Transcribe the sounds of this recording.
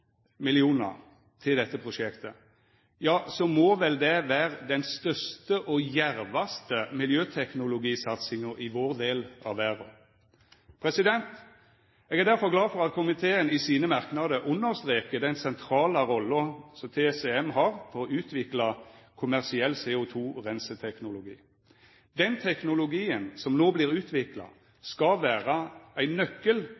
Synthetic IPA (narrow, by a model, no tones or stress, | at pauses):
mɪlɪuːnɑ̰ʁ | t̪ʰɪld̪ɛt̪ːəpʰʁʊʂɛkt̪ə | jɑːsɔmɔːʋɛld̪ɛʋæːʁəd̪ɛnst̪œst̪əʔɔjæɾʋɑst̪əmɪljøːt̪ʰɛknʊlʊɡiːsɑt̪sɪŋəɾɪʋoːʁd̪eːlɑ̰ʋʋæːʁʊ | pʰɾɛsɪd̪ɛnt̪ | ɛːɡæʁd̪æɾfɔʁɡlɑːfɔʁɑt̪kʰʊmɪt̪ʰeːənɪsiːnəmɑʁknɑd̪əʔʊnːəʁst̪ʁeːkəd̪ɛɪnsɛnt̪ʰɾɑːlɑɾɔlːəsɔmt̪ʰesɛɛmhɑʁfɔɾɔʉːt̪ʰʋɪklɑkʰʊmæʁsɪɛlːseːʊt̪ʰuːʁɛnsət̪ʰɛknʊlʊɡḭː | d̪ɛnt̪ʰɛknʊlʊɡiːənsɔmnoːblɪːʁʉːt̪ʰʋɪklɑ̰ | skɑʋæːʁɑæɪnːœkːəl